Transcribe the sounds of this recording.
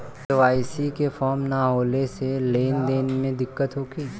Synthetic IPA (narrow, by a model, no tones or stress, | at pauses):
eʋaːisikefɔːɾmnaɦoːleseleːnd̪eːnmẽd̪ɪkːət̪ɦoːkiː